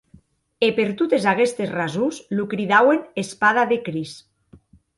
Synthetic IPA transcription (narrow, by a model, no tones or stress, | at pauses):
epeɾt̪ut̪ezaɣest̪esrazuzlukɾiðawenespaðaðekɾis